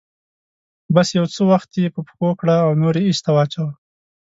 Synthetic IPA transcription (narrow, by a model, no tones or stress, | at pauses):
basjawt͡səwaxt̪jepəpxokɽaːwnoɾeiʃt̪awɑt͡ʃaw